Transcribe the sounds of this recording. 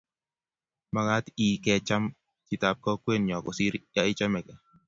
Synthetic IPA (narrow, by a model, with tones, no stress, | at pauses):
ma˦ŋa˦tiː˨kɛ˨t͡ʃa˦m | t͡ʃi˨ta˨p̚kɔ˦kwe˦˨nɲɔ˨kɔ̰˨si˦ɾja˦ɪ˦t͡ʃɔ˦mɛ˨kɛ˨